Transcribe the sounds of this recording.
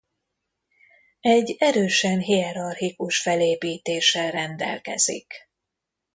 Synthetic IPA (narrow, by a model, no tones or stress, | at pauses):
ɛɟːɛɾøːʃɛnɦiɛɾɒrhikuʃfɛleːpiːt̪eːʃɛlrɛnd̪ɛ̰lkɛ̰z̥ḭk